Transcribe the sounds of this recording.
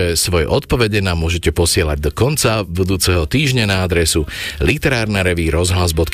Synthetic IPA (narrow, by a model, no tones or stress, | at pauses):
ɛsʋɔjɛ̰ʔɔt̪pɔʋɛɟɛnamːʊɔʒɛcɛpɔsɪɛlaɟ̚d̪ɔkɔnt͡sabud̪uːt͡sɛɦɔt̪iːʒɲanaad̪ɾɛsulit̪ɛɾaːɾnaɾɛʋiɾɔzɦlazbɔt̪k